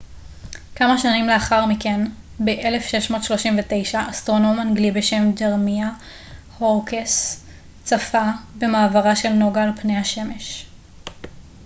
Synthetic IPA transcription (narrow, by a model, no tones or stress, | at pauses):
kamaʃanimleaχaʁmiken | beʔele̞fʃe̞ʃmo̞ːt̪ʃloʃimvet̪e̞jʃaʔːst̪ʁo̞no̞manɡlibeʃe̞mdeʁmia | hoʁkes | t͡safabe̞maːvaʁaʃe̞lno̞ɡaːlpnejhaʃe̞me̞ʃ